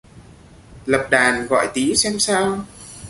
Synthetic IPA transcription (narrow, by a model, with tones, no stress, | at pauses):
lə˨˩p̚ɗaː˨˩nɣɔ̰˧˨jt̪i˨˦sɛ˧msaː˧w